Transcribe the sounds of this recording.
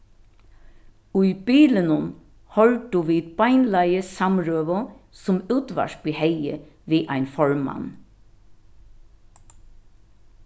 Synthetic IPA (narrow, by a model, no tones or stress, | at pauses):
ʊibiːlənʊn | hɔlt̪̚d̪uːʋiːd̪bɑɪnlæɪəsɑmɹøːʋɔsʊmʉːt̪ʋɑ̰ʃ̚bihɛɪə̰ | ʋiːʔæɪnfɔɹmːɑ̰n